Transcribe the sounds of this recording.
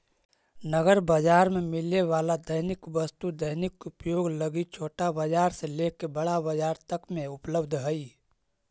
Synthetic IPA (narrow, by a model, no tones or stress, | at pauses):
nəɡəɾbəd͡ʒaːɾmemɪleʋaːlad̪əɪnɪkʋəst̪ud̪əɪnɪkʊpjoːɡləɡit͡ʃʰoːʈabəd͡ʒaːɾselekebəɽabəd͡ʒaːɾt̪əkmẽʊpləbd̪ʱɦəi